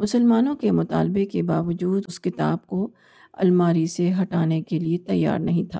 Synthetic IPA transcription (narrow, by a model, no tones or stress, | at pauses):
mʊsəlmaːnõkemʊt̪a̰ːlbekebaːʋɐd͡ʒuːd̪ʊskɪt̪a̰ːb̚ko | ɐ̰lmaːɾiseɦɐʈaːnekeliet̪ɐjːa̰ːɾnɐɦĩt̪ʰa̰ː